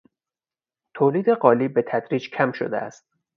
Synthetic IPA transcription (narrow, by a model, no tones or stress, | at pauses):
t̪ʰoːliːd̪e̞ɢɒːliːbe̞t̪ʰæd̪ɾiːd͡ʒkʲʰæmʃo̰d̪ḛʔæ̰st̪̚